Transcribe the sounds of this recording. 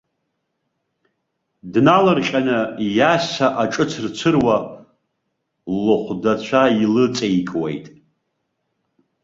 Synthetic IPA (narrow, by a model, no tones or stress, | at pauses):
dnalɨrχʲʼanɨjasaʔaʈ͡ʂʼɨt͡sʰrt͡sʷʰɨrwa | lɨχʷdat͡ɕʷʰailɨt͡sʼejikʼwḛjtʼ